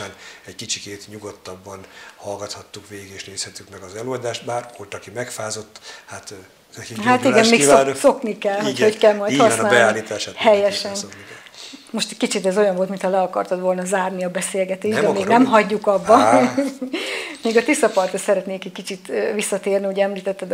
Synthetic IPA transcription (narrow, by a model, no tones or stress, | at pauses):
aːnɛckit͡ʃikeːt̪ɲuɡot̪ːɒbːɒnhɒlɡɒt̪hɒt̪ːukʋeːɡeːʃneːshɛt̪ːykmɛɡɒzɛløɒd̪aːʃt̪baːrkot̪ːɒkimɛkfaːzo̞t̪ːhat̪ | iɦat̪iɡɛnmeːkivnso̞knikɛlːhocockɛlmɒj̪hɒssnaːlbɛaːllːiːt̪aːʃat̪hɛjɛʃɛn | mo̞ʃt̪ɛckit͡ʃit̪ɛzo̞jɒɱvolt̪mint̪hɒlɛɒkɒrt̪ɒt̪ʋo̞lnɒzaːrniɒbɛseːlɡɛt̪eːʒd̪ɛmeːɡnɛmɦɒɟːukɒbːɒ | meːɡɒt̪isɒpɒrt̪osɛɾɛt̪neːkɛc̚kit͡ʃit̪visːɒt̪eːrniuɟɛmliːt̪ɛt̪ːɛd̪